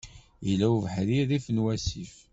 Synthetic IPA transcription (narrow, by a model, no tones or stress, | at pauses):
jəlæwvəħɾiðifnwæsif